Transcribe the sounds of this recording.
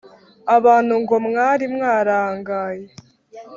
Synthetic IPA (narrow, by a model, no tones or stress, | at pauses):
aβaːn̥huŋɡo̞mŋaːɾimŋaːɾaːŋɡaːje